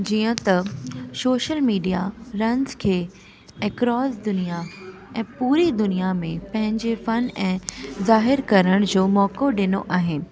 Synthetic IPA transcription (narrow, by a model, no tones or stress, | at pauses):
d͡ʑiːə̃t̪ɐsoːʃəlmiːɖijaɾɐ̃nzkʰeː | ɛkɾɔːsd̪ʊnija | ɛ̃ːpuːɾid̪ʊnijamẽpɐ̃ɦɪ̃ɲd͡ʑefɐnɛ̃ːzaːɦɪɾkɐɾəɽ̃d͡ʑoːmɔːkoɗɪnoʔaːɦe